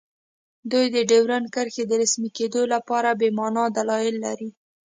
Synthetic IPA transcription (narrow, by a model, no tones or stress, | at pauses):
d̪ujd̪əɖewɾankəɾxed̪əɾasmiked̪olapɑɾabemɑnɑd̪alɑjɪlːaɾi